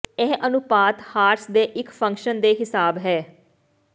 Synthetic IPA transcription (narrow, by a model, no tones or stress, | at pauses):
ɛːʔənʊpaːt̪haːɾsd̪eːʔɪkpʰə̃ŋkʃənd̪eːɦɪsaːbɦɛː